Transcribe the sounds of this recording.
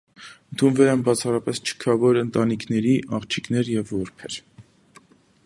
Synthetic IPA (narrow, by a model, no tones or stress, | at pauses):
ənt̪ʰunvɛlɛnbɑt͡sʰɑrɑpɛst͡ʃʰə̥kʰɑvɔɾənt̪ɑnikʰnɛɾiʔɑχt͡ʃʰiknɛɾjɛvːɔɾpʰɛɾ